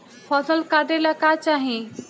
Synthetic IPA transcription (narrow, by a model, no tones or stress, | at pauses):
fʰɔːsəlkaːɾɖelakaːt͡ʃaːɦĩ